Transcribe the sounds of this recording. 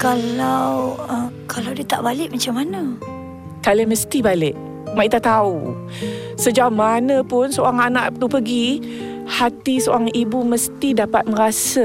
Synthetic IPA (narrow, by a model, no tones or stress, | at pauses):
kalawə | kʰalawdiət̪a̰ʔbalɪʔmat͡ʃamːanə | kaləməst̪ibalɪʔ | maʔit̪at̪aṵ | səd͡ʒamanə̃pʊnsəoɾaŋanaʔt̪upəɡi | hat̪iso̰ɾaŋibuməst̪idapat̪̚məɾasa